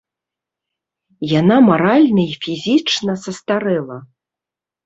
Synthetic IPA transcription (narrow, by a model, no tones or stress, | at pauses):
janamaɾalʲnɐifʲizʲit͡ʂnɐsɐst̪aɾɛlˠɐ